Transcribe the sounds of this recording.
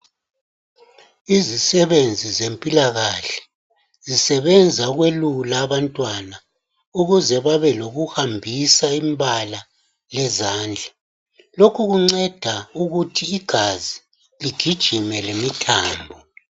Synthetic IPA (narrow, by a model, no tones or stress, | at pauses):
izisɛβend͡zʱizempʼilaɣaɬɛ̥ | zisɛβɛnd͡zʱaɣwelulaːβantʼwana | uɣuzɛβaβɛloɣuhambʱisaimbala | lɛzaːnd͡ɮʱa | lokʰuɣuŋ͡ǀɛd̥ʱauɣutʰiːɡ̥ʱazi | liɡ̥ʱid̥ʒ̥ʱimɛlemitʰaːmbʱɔ